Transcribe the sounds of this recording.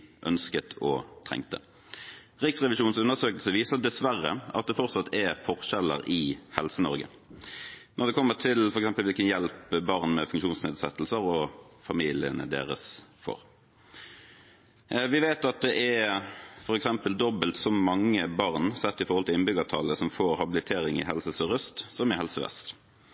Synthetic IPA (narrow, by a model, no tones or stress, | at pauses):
ʔœ̰nskət̪ʰɔ̰t̪ʰʁɛ̰ŋt̪ə̰ | ʁɪksʁɛʋɪʃuːnsʉnːəʁsøːkəl̩səʋiːsəd̪ɛsʋæʁːəɑ̰t̪̚d̪ɛfɔʁt̪sɑt̪ʰːɛfɔʁʃɛlə̰ɾɪhɛlsənɔɾɡə̰ | nʔɔʁd̪ɛkʰɔmːət̪ʰɪlfɔɾɛksɛmpəlʋɪlkənjɛlpbɑʁnmɛfʉŋkʃuːnsneːd̪sɛt̪ːl̩səʁɔfɑmiːlɪə̰nə̰d̪ḛːʁə̰sfo̰ːʁ | ʋɪʋeːt̪ɑt̪̚d̪ɛʔɛ | fɔɾɛksɛmpəld̪ɔbəlt̪sɔmːɑŋːəbɑʁnsɛt̪ːɪfɔɾhɔlt̪ɪlɪnbʏɡət̪ʰɑləsɔmfoːɾhɑbɪlɪt̪ʰeːɾɪŋɪ̰ɦɛlsəsəʁəst̪sɔmɪhɛlsəʋɛ̰st̪